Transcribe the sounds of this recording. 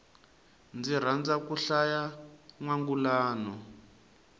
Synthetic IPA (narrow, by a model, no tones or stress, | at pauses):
nd͡zir̤and͡zakuɬajaŋwaŋɡulaːnɔ